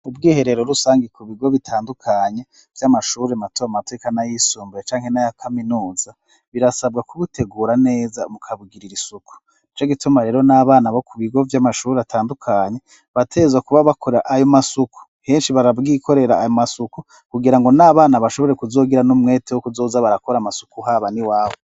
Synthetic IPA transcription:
ub̚ɡiːhe̞ɾe̞ɾoɾusaːŋɡikʰuβiɡo̞βitʰaːndukʰaɲe̞ | vjamaʃuːɾematuβamate̞ːkanajisuːmbuɾet͡ʃaːŋ̥he̞najakʰaminuːza | βiɾasab̚ɡakuβutʰe̞ɡuːɾane̞ːzamukʰaβuɡiɾiɾisukʰu̥ | nit͡ʃo̞ɡitumaɾe̞ːɾo̞naːβaːnaβo̞kuβiɡo̞vjamaʃuːɾeatʰaːndukʰaɲe̞ | βatʰe̞zwakuβaβakʰo̞ɾeɾa̰ʔajo̞masukʰu̥ | he̞ːnʃiβaɾaβɡikʰo̞ɾe̞ɾaːjomasuku | kuɡiɾaŋɡo̞naːβaːnaβaʃo̞βo̞ɾe̞kuzo̞ːɡiɾanumŋe̞ːtewokuzo̞ːzaβaɾako̞ɾamasu̥kuɦaβaniwaːβo̞

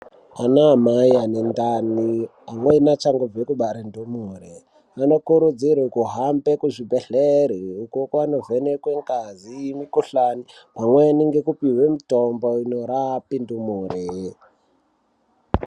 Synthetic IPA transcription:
anaːmajanendani | amwenat͡ʃaŋɡovekuɓaɾendumure | ano̞kuɾud͡zirekuɦambekuʐibʱeɬeɾiukokwanovenekweŋɡazimikuɬanipamweniŋɡekupiwemutomboinoɾapindumuːre

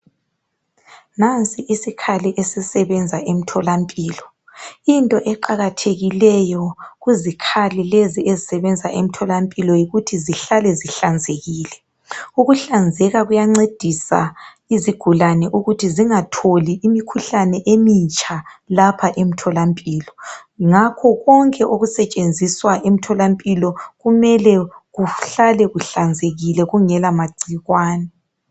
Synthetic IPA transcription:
nant͡sʼiʔisikʰaliʔesisɛβɛnd͡zʱaʔem̩tʰɔlampʼiːlɔ | intʼɔʔɛǃaɣatʰeɣilɛjɔɣuzikʰalileziezisɛβɛnd͡zʱaʔem̩tʰɔlampʼilɔjiɣutʰiziɬalɛziɬand͡zʱeɣiːlɛ | uɣuɬand͡zʱɛɣaɣujaŋ͡ǀed̥ʱisa̰ | iziɡ̥ʱulanɛʔuɣutʰiziŋatʰoliʔːmikʰuɬanɛʔemit͡ʃʼalapʰaʔem̩tʰɔlampʼiːlɔŋakʰɔɣɔŋkʼɛʔoɣusɛt͡ʃʼend͡zʱiswaʔem̩tʰɔlampʼilɔɣumɛlɛɣuɬalɛɣuɬand͡zʱeɣilɛɣuŋɛlamaɡ͡ǀʱiɣwaːnɛ

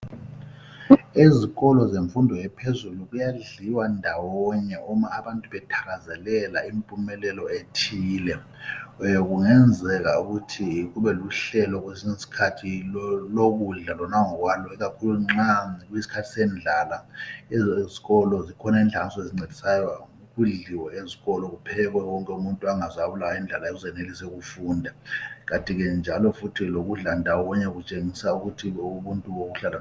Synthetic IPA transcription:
iziɣɔlɔzeɱfundʱɔjɛpʰezuluɣujaɮiwandʱawɔɲɛʔɔmaːβantʼuβɛtʰḁɣazɛlɛlaimpʼumɛlɛlɔetʰiːlɛ | ɣuŋɛnd͡zʱɛɣauɣutʰiɣuβɛluɬɛlɔɣ̬wesiŋisi̥kʰatʰiloɣuɮalɔnaŋɔɣwalɔiɣakʰuluŋ͡ǁakujisi̥kʰatʰi̥sɛnd͡ɮʱalaɛziɣɔlɔzikʰɔnaiːnd͡ɮʱansʼɔeziŋ͡ǀedʱi̥sajɔ | ɣuɮiwɛeziɣɔlɔɣupʰɛɣwɛwɔŋkʼɛumuntʼuaŋazaβulawaind͡ɮʱalaezɛnelisɛɣufundʱaɣatʼiɣɛnd͡ʒʱalɔfutʰiloɣuɮandʱawɔɣɔɲɛɣut͡ʃʼeŋisauɣutʰiuβuntʼuβoɣuɬala

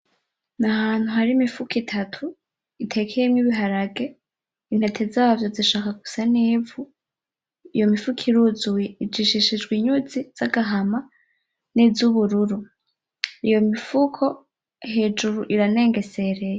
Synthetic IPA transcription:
nahaːn̥huhaɾimifukitʰatʰu | itʰe̞kʰejemŋiβiɦaɾaɡe̞ | in̥he̞tʰe̞zaːavjo̞ziʃaːkaɡusaniːvu | ijo̞mifukʰiɾuzujeid͡ʒiʃiʃid͡ʒɡwiɲuziz̥aɡaɦama | nizuβuɾuɾu | ijo̞mifukʰo̞ | he̞ːd͡ʒuɾuʔiɾane̞ːŋɡe̞se̞ɾe̞je

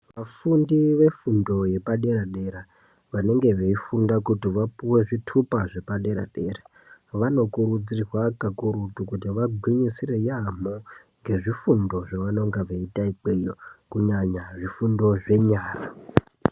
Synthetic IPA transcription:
ʋafundiʋe̞fundo̞je̞paɗe̞ɾaɗe̞ɾa | ʋane̞ŋɡe̞ʋeifundakutiʋapuwe̞ʐitʰupaʐe̞paɗe̞ɾa̰ɗe̞ːɾa | ʋano̞kuɾud͡zirwakakuɾutukutiʋaɡʱwiɲisirejamo | ŋɡe̞ʐifundo̞ʐaʋano̞ŋɡaʋeitaikejokuɲaɲaʐifundo̞ʐe̞ɲaːra

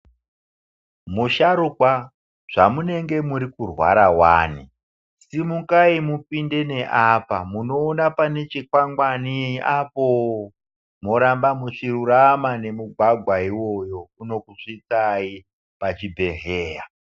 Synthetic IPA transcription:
muʃaɾukwa | ʐ̥amune̞ŋɡe̞muɾikurwa̰ɾawaːni | simukaimupinde̞ne̞ʔapamuno̞ːnapane̞t͡ʃikwaŋɡwaniapo | moɾambamut͡ʂiruɾamane̞muɡʱwaɡʱwaiwo̞jo̞uno̞kuʂit͡sai | pat͡ʃibʱe̞ɦeːja

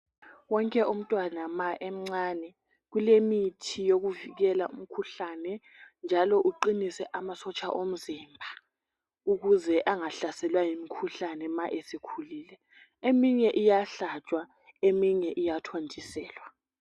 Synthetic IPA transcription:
wɔŋkʼɛʔum̩tʼwanamaʔɛm̩ŋ͡ǀaːnɛ | ɣulemitʰijoɣuviɣɛlaʔum̩kʰuɬanɛ | nd͡ʒʱalɔʔuǃinisɛʔamasɔt͡ʃʼaʔom̩zimbʱa | uɣuzɛʔaŋaɬasɛlwajimikʰuɬanɛmaʔesikʰuliːlɛ | emiɲɛʔijaɬat͡ʃʼwa | emiɲɛʔijatʰondʱisɛːlwa

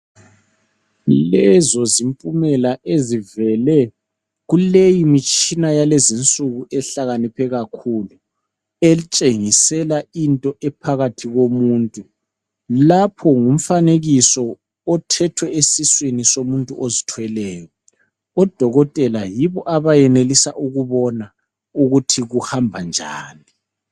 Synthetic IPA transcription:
lɛzɔzimpʼumɛlaʔezivɛlɛ | ɣulejimit͡ʃʼinajalezint͡sʼuɣuʔɛɬaɣanipʰɛɣakʰulu | elit͡ʃʼeŋisɛlaintʼɔʔɛpʰaɣatʰiɣomuːntʼu | lapʰɔŋum̩faneɣisɔː | tʰɛtʰwɛesiswinisomuntʼuʔozitʰwɛlɛːjɔ | ɔd̥ʱɔɣɔtʼɛlajiβɔʔaβajɛnelisaʔuɣuβɔna | uɣutʰiɣuhambʱand͡ʒʱa̰ːni

